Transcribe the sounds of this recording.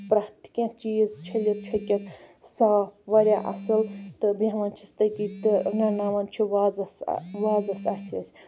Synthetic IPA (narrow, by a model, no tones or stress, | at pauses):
pɾakt̪i̥kʲãːt͡ʃiːzt͡ʃʰɐlɐt̪̚t͡ʃʰɐkʲɐt̪saːpʰʋɐɾʲjaʔɐ̰sɨlt̪ɨbiɐmɐnt͡ʃʰi̥st̪ɐkit̪ɨnɐnaːʋɐnt͡ʃʰiʋaːzɐsʋaːzɐsaːt̪ʰiɐsʲ